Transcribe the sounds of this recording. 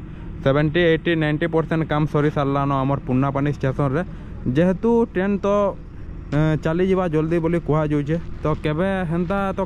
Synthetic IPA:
sebeɳʈieʈːinajɳʈipɔɾseɳʈkamsɔɾisalːanɔamɔɾpunːapanist͡ʃesɔɾːɛ | d͡ʒɛɦt̪uʈent̪ɔ | t͡ʃalid͡ʒibad͡ʒɔld̪ibolikɔɦad͡ʒowt͡ʃʰɛt̪ɔkɛbɛɦɛnt̪at̪ɔ

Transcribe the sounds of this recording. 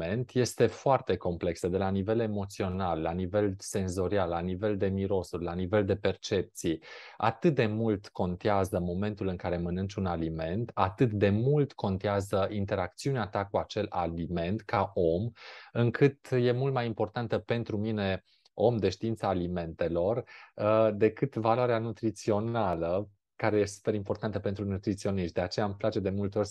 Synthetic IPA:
ent̪je̞st̪e̞foart̪e̞ko̞mple̞ksəd̪e̞lanive̞le̞mo̞t̪sio̞nalːanive̞lse̞nzo̞ɾialːanive̞ld̪e̞miɾo̞surʲlanive̞ld̪e̞pe̞rt͡ʃe̞p̚t̪sija̰t̪ɨt̪̚d̪e̞mult̪ko̞nt̪eazəmo̞me̞nt̪ulɨŋkaɾe̞mənɨnt͡ʃʲunalime̞nt̪at̪ɨt̪d̪e̞mult̪kʰo̞nt̪iazəʔint̪e̞ɾak̚t̪siuneat̪akuat͡ʃe̞la̰lime̞nt̪kaʔo̞mɨŋkʰɨt̪je̞mult̪majimpo̞rt̪ant̪əpe̞nt̪ɾumine̞ | o̞md̪e̞ʃt̪iint̪saːlime̞nt̪e̞lo̞r | d̪e̞kɨt̪valoaɾeanut̪ɾit̪sio̞nalə | kaɾe̞jesu̥peɾimpo̞rt̪ant̪əpent̪ɾunut̪ɾit̪sio̞niʃt̪d̪e̞at͡ʃe̞jamplat͡ʃe̞d̪e̞mult̪eo̞rʲ

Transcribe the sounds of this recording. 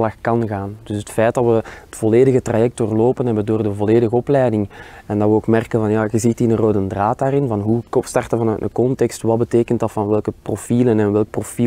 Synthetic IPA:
lɑxkɑnɣaːnd̥ʏsɦətfɛjt̚dɑtʋəətfɔleːdəɣətrajɛk̚tdoːrloːpənɦɛbəndoːrdəvɔleːdəɣəɔplɛjdɪŋɛndɑtʋəoːkmɛrkənvɑnjaːɣəzitinənroːdəndraːtaːrɪnvɑnɦukɔstɑrtəvɑnœɥtmə̰kɔntɛkstʋɑd̚bəteːkəntdɑtfɑnʋɛlˠkəprofiːlənɛnʋɛlˠk̚profi

